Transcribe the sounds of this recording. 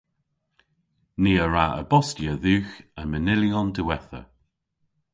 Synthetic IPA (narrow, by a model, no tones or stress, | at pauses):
niːəɹaə̰bɔstjəðuːxəmənɪliɔndəwɛθə̰